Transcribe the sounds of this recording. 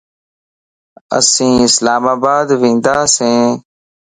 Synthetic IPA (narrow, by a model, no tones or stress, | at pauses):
ə̰sĩːɪslaːmaːbaːd̪ʋĩːnd̪aːsẽː